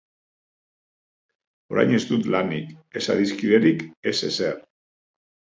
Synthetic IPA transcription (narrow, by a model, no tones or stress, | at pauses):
o̞ɾa̰jɲe̞zt̪ut̪lanike̞sa̰ðiskiðe̞ɾike̞se̞̰ser